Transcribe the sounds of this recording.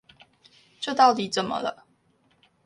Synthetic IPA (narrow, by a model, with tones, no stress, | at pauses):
ʈ͡ʂɤ˥˧t̪ɑ˥˩ʊt̪i˨˦t͡sə˨˩nmə̰˦lə̰˦